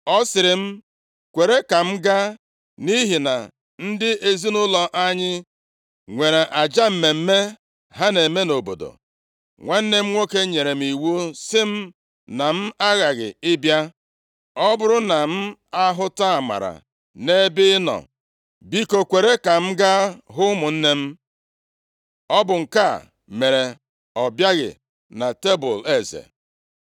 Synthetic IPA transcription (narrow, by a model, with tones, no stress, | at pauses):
ɔ˦sɪ˨ɾɪ˨m̩˦ | kʷe˨ɾe˦ka˨m̩˦ɡa˦ | ni˦ɦi˨na̰˨ | n̩˦dɪ˦ʔe˦zi˦nʊ˦lɔ˨ʔa˦ɲɪ˦ | ŋʷe˨ɾe˨ʔa˨d͡ʒa˦m̩˦me˨m̩˦me˦ | ɦa˦ne˨me˦no˨bo̰˨do̰˨ | ŋʷe˦n̩˦ne˦m̩˦ŋʷo˦ke˦ɲe˨ɾe˨m̩˦i˨wo˦sɪ˦m̩˦ | na˨m̩˦a˦ɣa˨ɣɪ̰˨ɪ˦bja˦ | ɔ˦bʊ˦ɾʊ˦na˨m̩˦a˦ɦʊ˦ta˦˨ma̰˨ɾa̰˨ | ne˦bɪ˦nɔ̰˨ | bi˦ko˨kʷe˨ɾe˦ka˨m̩˦ɡa˦ɦʊ˦mʊ˨n̩˦ne˦m̩˦ | ɔ˦bʊ˨ŋ̩˨ka˦˨ | me˨ɾe˨ | ɔ˨bja˦ɣɪ̰˨ | na˨te˦bʊ˨le˨zḛ˨